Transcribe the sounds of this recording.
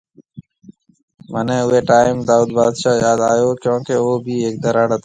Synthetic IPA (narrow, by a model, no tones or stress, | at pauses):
mənẽːʊeːʈaːɪmd̪aːuːd̪baːd̪ʃaːjaːd̪aːjoːkjõːkeʋoːbʱiːeːk̚d̪əɾaːɽət̪ʰː